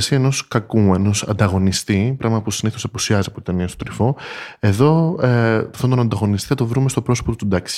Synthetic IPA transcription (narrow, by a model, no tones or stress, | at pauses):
siɐeno̞skɐkue̞no̞sɐ̰nd̪ɐɣo̞nist̪ipɾɐɣmɐpusiniθo̞sɐpusiɐziɐpot̪i̥t̪eniɐst̪ot̪ɾifo̞e̞ðo̞ | fθɐnd̪onɐnd̪ɐɣo̞nist̪iθɐt̪o̞vɾumest̪o̞pɾo̞sopot̪ut̪ud̪ɐksi̥